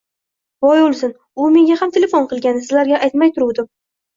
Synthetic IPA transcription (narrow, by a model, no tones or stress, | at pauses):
vɒjolˠsɪn | ʊme̞ŋɡʲahamt̪ʰe̞le̞fonqʰɨlˠɡʲanːɪsɪzlaɾɡʲaʔajt̪majt̪ʰʊɾuwd̪ɪm